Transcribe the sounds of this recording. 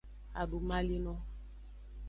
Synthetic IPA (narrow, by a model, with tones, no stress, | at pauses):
a̰˨du˨ma˦li˦nɔ˦